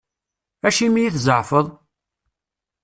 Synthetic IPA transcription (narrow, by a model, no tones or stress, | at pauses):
æʃimijiθzəʕfəðˤ